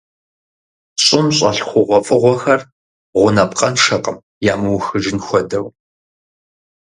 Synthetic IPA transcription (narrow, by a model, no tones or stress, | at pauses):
ɕʼɪmɕʼɐɬχʷʊʁʷɔfʼɨʁʷɔxɐr | ʁʷʊnɐpqʼɐnʂɐqʼəm | jaːmɨwxɨʒɪnxʷɔdɐw